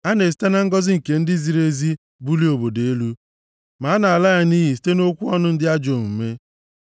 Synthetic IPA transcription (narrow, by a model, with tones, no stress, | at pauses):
a˦ne˨s̬i̥˦ta˦na˦ŋ̩˦ɡɔ˦zɪ˦ŋ̩˨ke˨n̩˦dɪ˦zi˨ɾe˦zi˦ | bu˦li˦o˨bo˨de˨e˦lu˦ | ma˨a˦na˨a˨la˦ja˦niː˦ɦi˨s̬i̥˨˦te˦no˦kʷu˦ɔ˦nʊ˦n̩˦dɪ˦a˦d͡ʒo˨m̩˨m̩˨me˦